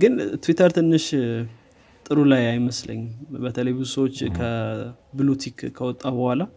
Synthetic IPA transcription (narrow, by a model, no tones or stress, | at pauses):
ɡɨnt̪ʰwit̪ʰəɾt̪ʰɨnːɨʃ | t̪ʼɨɾulajajməslə̰ɲːɪmbət̪ʰələjbɨzusəwot͡ʃːkʰəbɨlut̪ʰikʰkʰːəwɔt̪ʼːabəhʷala